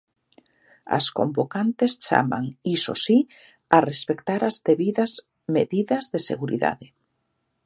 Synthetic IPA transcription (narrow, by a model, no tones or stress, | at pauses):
a̰sko̰mbokant̪est͡ʃa̰ma̰ŋiso̰si | arespekt̪aɾazðeβiðɐz | meðiðɐzðesḛɣuɾḭða̰ðe